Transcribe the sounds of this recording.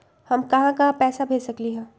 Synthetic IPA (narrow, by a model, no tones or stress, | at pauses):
hɐmkɐɦãkapɛːsabʱeːsɐkliɦɛ̃ː